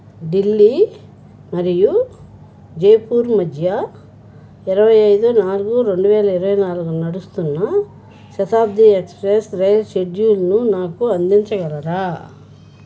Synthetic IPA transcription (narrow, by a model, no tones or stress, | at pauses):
ɖilːi | mɐɾiju | d͡ʒejpuːɾmɐd̪ʱjɐ | iɾɐʋɐjɐjd̪unaːlɡuɾoɳɖuʋeːlɐiɾɐʋɐjnaːlukunnɐɽust̪unːɐ | ʃɐt̪ʰaːb̚d̪iekspɾesɾɐjɐlʃeɖjuːlnunaːkuɐnd̪iɲt͡ʃɐɡɐlɐɾaː